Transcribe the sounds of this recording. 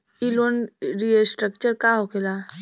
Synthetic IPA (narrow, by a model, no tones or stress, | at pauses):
iloːnɾiesʈɾək̚t͡ʃəɾkaɦokela